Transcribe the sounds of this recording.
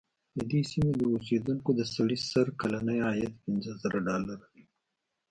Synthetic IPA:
d̪əd̪esimed̪əʊsed̪uŋkod̪əsaɽisaɾkalanəjɑjat̪pɪnzəzəɾaɖɑlaɾawi

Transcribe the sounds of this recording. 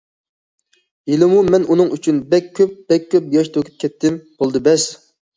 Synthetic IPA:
elɪmumɛnunɨŋyt͡ʃʰynbɛkʲʰːøp̚b̥ɛkʲʰːøp̚jɑʃt̪ʰokʲʰy̥p̚kʲʰɛt̪ʰːɪmb̥olˠd̪ɨbɛs

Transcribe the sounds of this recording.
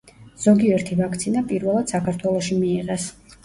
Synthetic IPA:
z̥ɔɡiɛɾt̪ʰivakʰt̪sʰinapʼiɾvɛlˠad̪̥sakʰaɾt̪ʰwɛlˠɔʃimiːʁɛs

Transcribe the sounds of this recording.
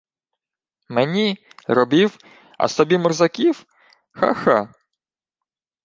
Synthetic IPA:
menʲirɔbiw | ɐ̰sɔbʲimɔrzɐkʲiw | xa̰xɑ

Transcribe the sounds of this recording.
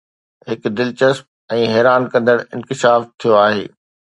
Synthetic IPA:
ɦɪkd̪ɪlt͡ɕəsp̚ | ɛ̃ːɦɛːɾaːnkɐ̃nd̪əɽɪ̰̃nkɪʃaːft̪ʰijoaːɦeː

